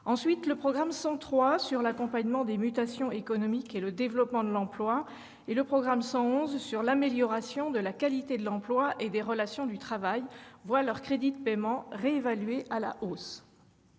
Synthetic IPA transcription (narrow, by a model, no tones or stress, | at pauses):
ɑ̃sɥit̪ləpχɔɡʁamsɑ̃t̪χwasyʁlakɔ̃paɲmɑ̃d̪emyt̪asjɔ̃ekɔnɔmikeləd̪evlɔpmɑ̃d̪əlɑ̃plwa | eləpχɔɡʁamsɑ̃ɔ̃zsyʁlameljɔʁasjɔ̃d̪əlakalit̪ed̪əlɑ̃plwaʔed̪eʁəlasjɔ̃d̪yt̪χavajvwalœʁkχed̪id̪əpemɑ̃ʁeevalɥeʔala̰ʔos